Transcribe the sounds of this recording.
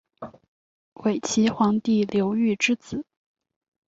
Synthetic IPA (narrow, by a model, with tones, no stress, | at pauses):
we˨˩ɪt͡ɕʰi˧˥xwɑ˧˥ŋt̪i˥˩ljo˧˥ʊy˥˩ʈ͡ʂɻ̩˥t͡sɹ̩˨˩˦